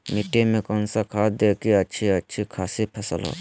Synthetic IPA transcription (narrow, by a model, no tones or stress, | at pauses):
miʈemẽkɔnsakʰaːd̪eːkiɐt͡ʃʰiɐtːʃʰikʰaːsipʰɐsəlɦo̰ː